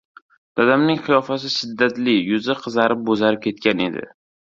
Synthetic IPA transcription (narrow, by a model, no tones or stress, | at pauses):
d̪̥ad̪amnɪŋχɨjɒfas̬ɪʃɪd̪ːat̪lɪjʊzɪqʰɨzaɾɪp̚bozaɾɪp̚kʲʰe̞t̪kʲʰane̞̰d̪ɪ̰